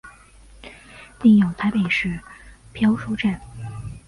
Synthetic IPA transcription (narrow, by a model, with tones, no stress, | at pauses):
t̪i˥˩ŋjo˨˩ʊt̪ʰa˧˥ɪpe˨˩ɪʂɻ̩˥˩pʰjɑ˥ʊʂo˥ʊʈ͡ʂa˥˩n